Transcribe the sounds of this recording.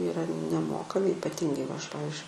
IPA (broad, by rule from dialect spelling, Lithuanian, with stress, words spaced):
iːˈrɐ nʲɛˈmoːkɐmʲɪ ɪpɐˈtʲiːŋɡɐɪ ʋɐ ˈɐʃ ˈpɑːʋʲɪzʲd͡ʒʲʊɪ